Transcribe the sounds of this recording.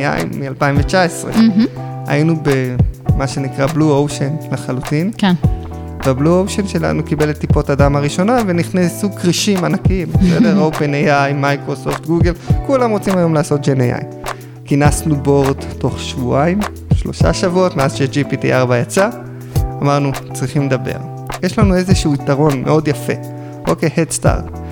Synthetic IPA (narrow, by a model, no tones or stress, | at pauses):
a̰jḭmmːialpaimvet͡ʃaesʁḛ | a̰inube̞maʃe̞nikʁabluowʃenleχalutinkn | veabluowʃenʃe̞la̰nukibe̞let̪ːipo̞tadamaʁiʃo̞nave̞niχnesukʁiʃimanakimbesedeʁowpenejajmajkʁo̞so̞ft̪ɡuɡe̞lkulamʁo̞t͡simajo̞mlaːso̞t̚d͡ʒenejʔa̰j | kinasnubo̞ʁdto̞χʃvuaim | ʃlo̞̰ʃa̰ʃavuo̞tmeazʃed͡ʒipitḭʔaʁbajat͡sa | amaʁnut͡sʁiχimledabe̞̰ʁ | jeʃlanue̞zeʃuuːitaʁo̞nmʔe̞̰o̞djafe̞̰ | okehedsta̰ʁt